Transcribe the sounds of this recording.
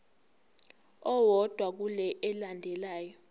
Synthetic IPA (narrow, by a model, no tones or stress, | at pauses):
ɔwɔd̥ʱwak̬ulɛʔɛlandʱɛlaːjɔ